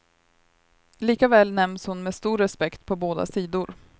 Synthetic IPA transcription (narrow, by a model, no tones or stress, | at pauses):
liːkavɛːlnɛmnshʊnmeːst̪uːɾːɛspɛkt̪pʰɔboːd̪a̰siːd̪ʊɾ